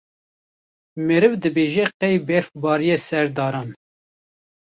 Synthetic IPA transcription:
meɾɨvd̪ɨbeːʒɛqɛjbɛɾfbɑːɾijesɛɾd̪ɑːɾɑːn

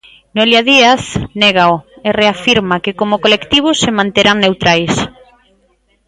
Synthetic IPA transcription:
neljaðiaθneɣ̞aoereafiɾmakɪkomʊkolekt̪iβ̞ʊsemãnt̪eɾaŋnewt̪ɾajs

